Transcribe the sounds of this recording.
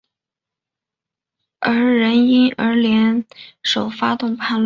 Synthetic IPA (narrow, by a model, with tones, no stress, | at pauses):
ə˞˧˥ɻə˧˥ni˥nə˞˧˥ljɛ˧˥nʂo˨˩ʊfa˥t̪ʊ˥˧ŋpʰa˥˧nl